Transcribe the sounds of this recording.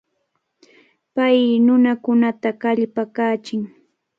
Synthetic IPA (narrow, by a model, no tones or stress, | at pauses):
pajnʊnakʊnat̪akaʎpakaːt͡ʃɪŋ